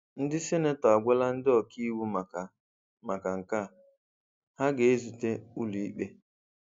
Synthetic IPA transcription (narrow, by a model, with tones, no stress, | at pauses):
n̩˦dɪ˦sɪ˦ne˦tɔ˨a˨ɡʷʊ˦la˦n̩˦dɪ˦ɔ˨kʰi˦i˦wu˦m˨a˨ | ma˨ka˨ŋ̩˨ka˦˨ | ha˦ɡe˨e˦zu˨te˦u˦lu˨i˦k͡pe˦